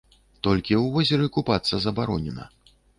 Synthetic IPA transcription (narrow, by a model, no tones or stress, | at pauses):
t̪ɔlʲkʲiwvɔzʲɛɾɨkupat̪sːɐzɐbaɾɔnʲɛnɐ̰